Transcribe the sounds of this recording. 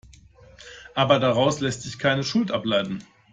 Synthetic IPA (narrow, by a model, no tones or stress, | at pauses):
ʔaːbɐdaʁaʊslɛstz̥ɪçkʰaɪnəʃʊltʔaplaɪtn̩